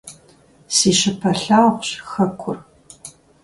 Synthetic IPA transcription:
siːɕɪpʰɐɬaːʁʷɕxɐkʷʰʊr

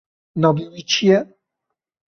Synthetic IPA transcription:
nɔbiwit͡ɕjɛ

